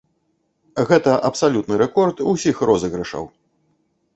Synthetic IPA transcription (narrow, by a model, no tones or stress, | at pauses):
ɣɛt̪ɐʔɐpsalʲut̪nɨɾɛkɔrt̪usʲixrɔzɐɣɾɨʂɐ̰w